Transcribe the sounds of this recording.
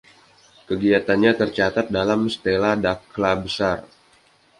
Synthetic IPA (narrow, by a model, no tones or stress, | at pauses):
kəɡiat̪anɲat̪ərt͡ʃat̪at̪̚dalamsə̥t̪eladaklabəsar